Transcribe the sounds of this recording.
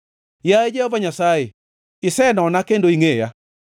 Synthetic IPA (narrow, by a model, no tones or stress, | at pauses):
jaed͡ʒɛhovaɲasae | ɪsɛnɔnakendoiŋeja